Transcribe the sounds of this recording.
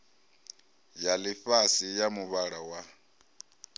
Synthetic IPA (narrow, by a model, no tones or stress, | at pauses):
jalifasijamuβaɺawa